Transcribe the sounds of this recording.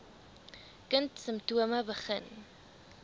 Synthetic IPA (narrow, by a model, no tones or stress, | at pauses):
kəntsəmptuəməbəχə̰n